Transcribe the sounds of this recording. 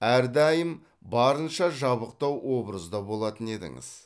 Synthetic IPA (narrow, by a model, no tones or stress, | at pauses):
æɾd̪ɑjəm | bɑɾənʃɑʒɑβəq̚t̪ɑwwo̞bɾəzd̪ɑbo̞lˠɑt̪əne̞d̪ɪ̰ŋɪ̰z̥